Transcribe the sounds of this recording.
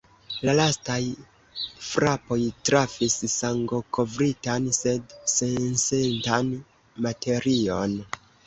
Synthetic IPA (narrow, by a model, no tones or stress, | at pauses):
lalastaj | fɾapo̞jtɾafissaŋɡo̞kʰo̞vɾitanse̞dse̞nsentan | mate̞ɾio̞n